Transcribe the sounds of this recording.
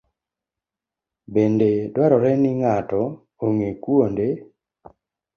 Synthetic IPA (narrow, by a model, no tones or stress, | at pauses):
bendedwaɾɔɾɛnɪŋatɔ | oŋekwonde